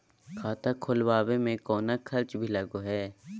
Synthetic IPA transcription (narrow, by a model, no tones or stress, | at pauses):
kʰaːt̪akʰolbaːbemẽkɔːnakʰɐlt͡ʃbʱilɐɡoɦɛː